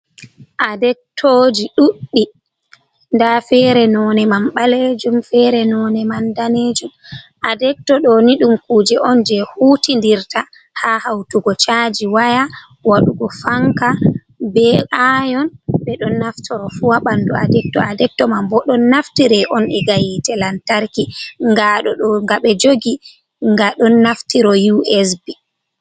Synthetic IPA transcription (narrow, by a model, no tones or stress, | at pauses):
ʔadɛk̚tʰoːd͡ʒiɗuɗːi | ndafɛɾɛnɔnɛmamɓaled͡ʒumfɛɾɛnɔnɛmandaneːd͡ʒumʔadɛk̚tɔɗɔniɗumkuːd͡ʒɛʔɔnd͡ʒɛhutindiɾta | hahawtuɡɔt͡ʃad͡ʒiwaja | waɗuɡɔfaŋka | bɛʔajɔnɓɛɗɔnːaftʰɔɾɔfuwaɓandua̰dɛk̚tɔ̰adɛk̚tɔmambɔɗɔnːaftiɾɛʔɔnɛɡajitɛlantaɾkiŋɡaɗɔŋɡaɓɛd͡ʒoɡi | ŋɡaɗɔnːaftiɾɔjuɛsbi